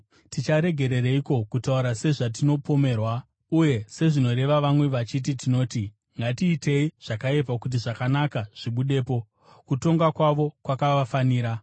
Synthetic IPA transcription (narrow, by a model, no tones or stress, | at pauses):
tit͡ʃaɾe̞ɡʱe̞ɾe̞ɾeiko̞kutauɾase̞ʐat̬ino̞po̞me̞ːrwa | uje̞se̞ʐino̞ɾe̞ʋaʋamwe̞ʋat͡ʃit̬itino̞ːti | ŋɡatiːte̞iʐ̥akaep̬akut̬iʐakanakaʐ̥iɓuɗe̞ːpo̞ | kuto̞ŋɡakwaʋo̞kwakaʋafaniːɾa